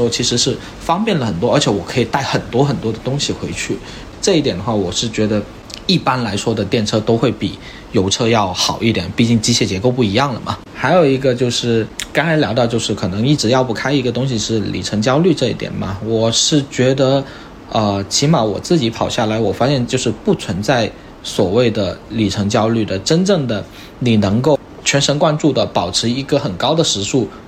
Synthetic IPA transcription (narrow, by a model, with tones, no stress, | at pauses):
ɔ˥t͡ɕʰi˧˥ʂɻ̩˧˥ʂɻ̩˥˩ | fɑ˥ŋpjɛ˥˩nlə˩xə˨˩nt̪wɔ˥ə˞˧˥t͡ɕʰjɛ˧˥wɔ˨˩kʰɤ˧˥i˨˩t̪a˥˩ɪxə˨˩nt̪wɔ˥xə˨˩nt̪wɔ˥d̪ə˨t̪ʊ˥ŋɕi˨xwe˧˥ɪt͡ɕʰy˥˩ | ʈ͡ʂɤ˥˧i˥˩t̪jɛ˨˩nd̪ə˦xwa˥˩wɔ˨˩ʂɻ̩˥˩t͡ɕɥɛ˧˥d̪ə˧ | i˥˩pa˥nla˧˥ɪʂwɔ˥d̪ə˨t̪jɛ˥˩nʈ͡ʂʰɤ˥t̪o˥ʊxwe˥˩ɪpi˨˩˦ | jo˧˥ʊʈ͡ʂʰɤ˥jɑ˥˩ʊxɑ˨˩ʊi˥˩t̪jɛ̰˨˩npi˥˧t͡ɕi˥˩ŋt͡ɕi˥ɕʰjɛ˥˩t͡ɕjɛ˧˥ko˥˧ʊp̬u˥˩i˧˥jɑ˥˩ŋlə˩mɐ̰˩ | xa˧˥ɪjo˨˩ʊi˧˥ɡə˧t͡ɕjo˥˧ʊʂɻ̩˥˩kɑ˥nɻa˧˥ɪljɑ˧˥ɑ˥˧ʊt͡ɕjo˥˧ʊʂɻ̩˥˩kʰɤ˨˩nɤ˧˥ŋi˥˩ʈ͡ʂɻ̩˧˥jɑ˥˧ʊpu˥˩kʰa˥ɪi˧˥ɡə˧t̪ʊ˥ŋɕ̬i˨ʂɻ̩˥˩lḭ˨˩ʈ͡ʂʰɤ˧˥ŋt͡ɕjɑ˥ʊly˥˧ʈ͡ʂɤ˥˧ḭ˥˩t̪jɛ̰˨˩nmɐ̰˩wɔ˨˩ʂɻ̩˥˩t͡ɕɥɛ˧˥d̪ə˧˦ | ə˧t͡ɕʰi˧˥ma˧˥wɔ̰˨˩t͡sɹ̩˥˩t͡ɕi˧˥pʰɑ˨˩ʊɕja˥˩la˧˥ɪwɔ˨˩fa˥ɕjɛ˥˧nt͡ɕjo˥˧ʊʂɻ̩˥˧pu˥˩t͡sʰwə˧˥nt͡sa˥˩ɪ | swɔ˨˩we˥˩ɪd̪ə˩li˨˩ʈ͡ʂʰɤ˧˥ŋt͡ɕjɑ˥ʊly˥˩d̪ə˩ʈ͡ʂə˥nʈ͡ʂɤ˥˩ŋd̪ə˩ | ni˨˩nɤ˧˥ŋko˥˩ʊ | t͡ɕʰɥɛ˧˥nʂə˧˥nkwa˥nʈ͡ʂu˥˩d̪ə˩pɑ˨˩ʊʈ͡ʂʰɻ̩˧˥i˧˥ɡə˧xə˨˩nkɑ˥ʊd̪ə˨ʂɻ̩˧˥ʂu˥˩